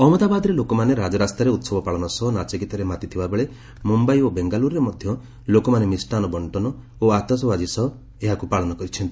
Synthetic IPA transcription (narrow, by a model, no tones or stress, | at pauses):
ɔmɔd̪abad̪ɔɾelokɔmaneɾad͡ʒɔɾast̪ɾeɾeut̪sɔbɔpaɭɔnɔsɔɦɔnat͡ʃikit̪ɔɾemat̪it̪ʰibabeɭe | mumbajobeŋɡaluɾɾemɔd̪ʱjɔ | lokɔmanemisʈanɔbɔɳʈɔnɔ | oat̪ɔsɔbad͡ʒisɔɦɔ | eɦakupaɭɔnɔkɔɾit͡ʃʰɔnt̪i̥